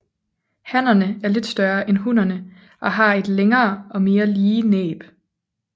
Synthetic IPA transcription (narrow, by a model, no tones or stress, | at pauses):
hæn̰ɐnəæɐle̝d̥sd̥ɶɐʔenɦunɐnə | ʔɒ̽ɦɑ̈e̝d̥leŋɐːʔɒ̽me̝ːɐliːnḛːb̥